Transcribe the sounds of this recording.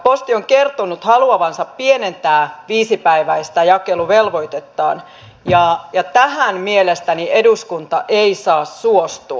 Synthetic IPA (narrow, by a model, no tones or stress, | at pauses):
post̪ioŋkert̪onut̪hɑluɑʋɑnsɑppienent̪æːʋiːsipæiʋæist̪æjɑkeluʋelʋo̞it̪et̪ːɑːn | jɑjɑt̪æhænmielest̪ænieduskunt̪ɑʔeisɑːsːuost̪u